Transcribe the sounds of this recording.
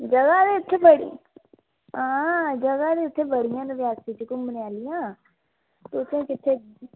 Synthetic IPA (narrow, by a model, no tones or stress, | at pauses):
d͡ʒɐɡad̪eʊt̪ʰːebəɽḭ | ãːd͡ʒɐɡad̪eʊt̪ʰːẽbəɽ̤ijãnʋjaːt̪it͡ʃikʊmənjaːlijãː | t̪oʊt̪ʰːẽkɪt̪ʰːe